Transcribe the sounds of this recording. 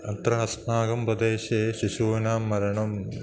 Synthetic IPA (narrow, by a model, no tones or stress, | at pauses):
ɐnt̪ɾɐɦɐsnaːɡɐmpɐd̪eːʃeːʃiʃuːnaːmːɐɾɐɳɐm